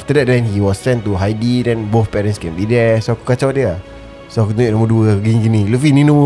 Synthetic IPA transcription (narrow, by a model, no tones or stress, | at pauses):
aft̪ədɛt̚dɛ̃nhiwɔsːɛ̃ntuɦajdidɛ̃nboθpɛɾɛ̃nskẽmdidɛsoaku̥kat͡ʃawdiə | soakut̪uʔnõməduəɡinɡinĩlufininõ